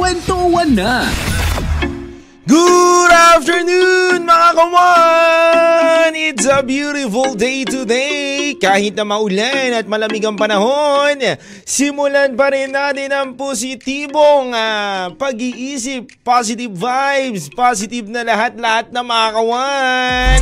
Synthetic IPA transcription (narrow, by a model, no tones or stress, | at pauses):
wɛnt̪owanːa | ɡud̪aft̪ɛɹnunmɐŋakɐwa | nɪt̪sɐbjuːɾɪfʊld̪ejt̪ʊd̪ekaːhɪt̪̚nɐmɐʔʊlanɐt̪̚mɐlɐmiɡɐŋpɐnɐho̞n | sɪmʊlanpɐɾɛnːat̪ɪnɐŋpos̬ɪt̪iːboŋapɐɡiʔiːsɪpːas̬ɪt̪ɪbːajbspas̬ɪt̪ɪb̚nɐlɐɦat̪̚lɐhat̪̚nɐŋmɐŋakɐwan